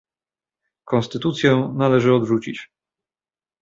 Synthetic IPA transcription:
kɔ̃nst̪ɘt̪ut̪sʲjɛnalɛʐɘɔd̪ʐut͡ɕit͡ɕ

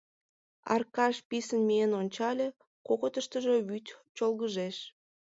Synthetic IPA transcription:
ɑ̰rkɑʃpisənmienonʲt͡ɕɑlʲe | kokot̪əʃt̪əʒe̽βyt̪ʲt͡ɕolɣəʒeʃ

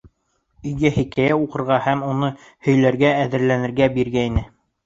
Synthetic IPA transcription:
ɵ̆jɡæhikæjæuqɤ̆ɾʁɑhæmunɤ | hɵ̆jlæɾɡææðɘ̆ɾlænɘ̆ɾɡæbiɾɡæinɘ

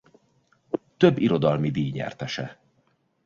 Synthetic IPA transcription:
t̪ø̞bːiɾo̞d̪ɒlmid̪iːɲɛ̰rt̪ɛʃɛ

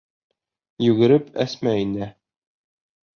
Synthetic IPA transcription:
jʉɡɘ̆ɾɘpæ̰smæind̪ɘ

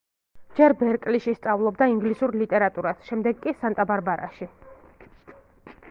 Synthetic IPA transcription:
d͡ʒɛɾbɛɾkʼliʃist̪sʼavlˠɔbd̪aiŋɡlisuɾlit̪ʼɛɾat̪ʼuɾasʃɛmd̪ɛɡkʼisant̪ʼabaɾbaɾa̰ʃi

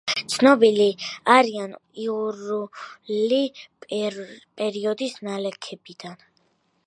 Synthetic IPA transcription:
t̪sʰnɔbiliaɾianiuɾuli | pʼɛɾiɔd̪isnalɛkʰɛbid̪̥an

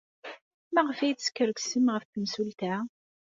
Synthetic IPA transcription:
mæʁəfæjskːəɾəkʷsimʁəfθəmsult̪æ

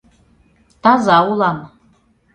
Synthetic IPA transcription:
tʰazawulam

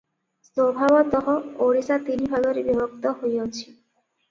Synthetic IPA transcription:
sobʱabɔt̪ɔɦɔoɾisat̪inibʱaɡoɾibibɔk̚t̪ɔɦojot͡ɕʰi̥

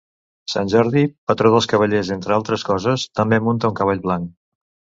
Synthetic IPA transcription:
sa̰nʲʒɔɾðipət̪ɾoðəlˠskəβ̞əʎezent̪ɾəalˠt̪ɾəskɔzəst̪əmbemunt̪əuŋkəβ̞aʎβlaŋk

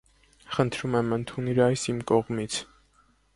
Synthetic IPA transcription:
χənt̪ʰɾumɛmənt̪ʰuniɾɑjsimkɔʁmit͡sʰ

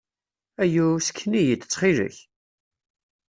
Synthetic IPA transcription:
æjusə̥kʰːnijət̪ːə̥t͡sːχiɾə̰ç

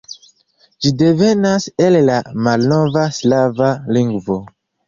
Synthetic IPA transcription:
d͡ʒidevenasellamalnovaslavaliŋɡvo

